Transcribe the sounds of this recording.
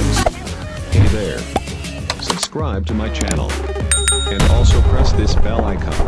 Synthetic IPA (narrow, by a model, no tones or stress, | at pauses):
z̥ | hʰeɪðə̰˞ | sɨb̥skɹaɪb̚tʰɨmaɪt͡ʃʰænl̩ˠ | ɨ̃nɔlˠsoʊpʰɹ̥ɛsðɪsb̥ɛlˠaɪkʰʌ̰̃m